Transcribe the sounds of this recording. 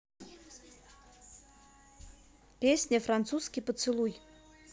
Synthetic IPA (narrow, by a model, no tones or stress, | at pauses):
pʲesʲnʲəfrant̪suskʲipət̪sɨlˠuj